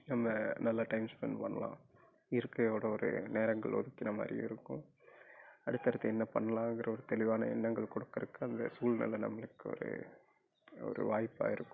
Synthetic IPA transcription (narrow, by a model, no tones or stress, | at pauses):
nɐmːɐnɐlːaʈɐɪmspɐnpɐnːɐlã̰ː | ɪɾɯkːɐjoːɽɐɔɾɯ̰neːɾɐŋɡɐɭɔ̰ðɯkːɪnɐmaːd̪ɾḭɪ̰ɾɯkːʊ̃ | ɐɽɯt̪ːɐɾɐt̪ːɐɛnːɐpɐnːɐlãːŋɡɪɾɐɔɾɯt̪ɛlɪʋaːnɐ̰ɛ̰nːɐŋɡɐɭkɔɽɯkːɐɾɯkːɯɐnd̪ɐ̰suːlnɐ̰lːɐnɐ̰mːɐɭɯkːɯɔ̰ɾɯ̰ | ɔ̰ɾɯ̰ʋaːjpːa̰ːɪɾɯkːʊ̥̃